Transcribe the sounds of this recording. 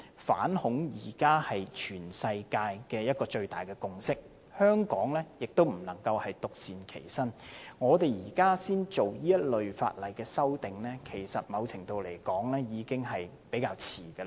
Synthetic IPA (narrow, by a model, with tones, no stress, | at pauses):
fa̰ː˨˥nhʊ˨˥ŋjiː˨˩kaː˥hɐ˨jt͡ʃʰyː˨˩nsɐ˧jkaː˧jkɛː˧jɐ˥t̚kɔː˧t͡ʃɵ˧ɥt̪aː˨˩jkɛː˧kʊ˧ŋsɪ˥k̚ | hœː˥ŋkɔː˨˥ŋlɛː˥jɪ˨k̚t̪o˥wm̩˨˩lɐ˨˩ŋkɐ˧whɐ˨jt̪ʊ˨k̚siː˨nkʰe˨˩jsɐ˥nŋɔː˨˧t̪e˨˩jjiː˨˩kaː˥siː˥nt͡so˨wjiː˥jɐ˥t̚lɵ˨ɥfa̰ː˧t̚lɐ˨jkɛː˧sɐ˥wt̪ɪ˨ŋlɛː˥kʰe˨˩jsɐ˨t̚mɐ˨˧wt͡sʰɪ˨˩ŋt̪o˨˧wle˨˩jkɔː˨˥ŋlɛː˥jiː˨˧kɪ˥ŋɦɐ˨jpe˨˥jkaː˧wt͡sʰiː˨˩ɡə˧